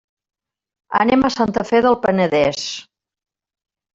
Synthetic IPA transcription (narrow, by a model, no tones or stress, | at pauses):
ə̰neməsant̪əfeðəlˠpənəðɛs